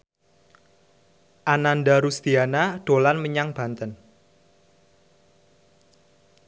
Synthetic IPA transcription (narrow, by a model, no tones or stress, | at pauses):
ʔanandaɾust̪ianaɖ̥o̤lanməɲaŋb̥a̤nt̪ən